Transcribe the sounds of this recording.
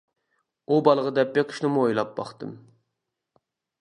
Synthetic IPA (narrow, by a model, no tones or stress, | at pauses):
ubɑlˠəʁəd̪ɛp̚beqʰʃnɨmuojlˠɑp̚b̥ɑ̰χt̪ɨm